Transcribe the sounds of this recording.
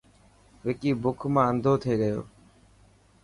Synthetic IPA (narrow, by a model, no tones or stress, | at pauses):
ʋeːkiːbʊkʰmãːənd̪ʱoːt̪ʰeːɡəjo̰ː